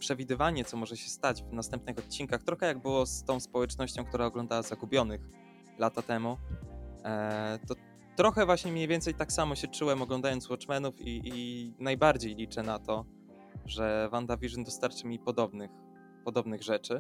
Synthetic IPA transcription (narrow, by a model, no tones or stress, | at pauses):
pʂɛvʲid̪ɘvaɲɛt̪sɔmɔʐɛɕɛst̪ad͡ʑvnast̪ɛmpnɘxɔt̪̚t͡ɕːinkaxt̪ɾɔxɛjaɡ̚bɘwɔst̪ɔ̃w̃spɔwɛt͡ʂnɔɕt͡ɕɔ̃w̃kt̪uɾaɔɡlɔnd̪awazaɡubʲjɔnɘx | lat̪at̪ɛmu | t̪ɔ | t̪ɾɔxɛvwaɕɲɛmʲɲejvʲjɛnt̪sɛjt̪aksamɔɕɛt͡ʂuwɛmɔɡlɔnd̪ajɔnt̪swɔt͡ʂmɛnufiʔnajbaɾd͡ʑejlʲit͡ʂɛnat̪ɔ | ʐɛvand̪avʲiʐnd̪ɔst̪aɾt͡ʂɘmʲipɔd̪ɔbnɘx | pɔd̪ɔbnɘɣʐɛt͡ʂɘ